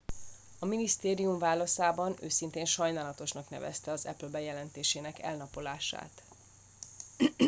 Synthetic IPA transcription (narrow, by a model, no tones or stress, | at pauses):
ɒminist̪eːɾijuɱvaːlɒsaːbɒnøːsint̪eːnʃɒjnaːlɒt̪o̞ʃnɒknɛ̰vɛ̰st̪ɛɒzɛplbɛjɛlɛnt̪eːʃeːnɛkɛ̰lnɒpo̞laːʃa̰ːt̪